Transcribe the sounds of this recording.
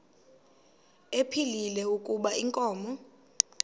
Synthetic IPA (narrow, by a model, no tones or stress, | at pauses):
epʰililɛukʼuɓaiŋkʼɔːmɔ